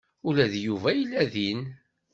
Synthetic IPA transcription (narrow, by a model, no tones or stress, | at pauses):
ʊlæðjuvæjəlːæðin